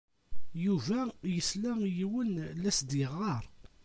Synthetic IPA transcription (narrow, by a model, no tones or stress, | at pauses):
juvæjəslæjiwənlæsd̪ɪʁɑɾˤ